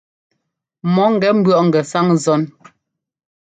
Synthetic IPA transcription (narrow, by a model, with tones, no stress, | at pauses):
mɔ˨˦ŋ̩˨ɡɛ˨˦m̩˦bɰɔ˦ʔŋ̩˨ɡɛ˨sa˦ŋzɔ˦n